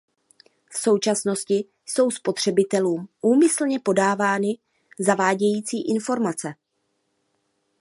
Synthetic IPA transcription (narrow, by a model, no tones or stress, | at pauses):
fso̞wt͡ʃasno̞scɪ | so̞wspo̞t̪r̝̥ɛbɪt̪ɛluːmʔuːmɪsl̩ɲɛpo̞daːvaːnɪ | zavaːɟɛjiːt͡siːʔɪnfo̞ɾmat͡sɛ